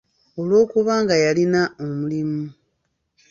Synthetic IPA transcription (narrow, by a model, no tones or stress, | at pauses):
o̞lwo̞ːkuβaːŋɡajalinaomulimu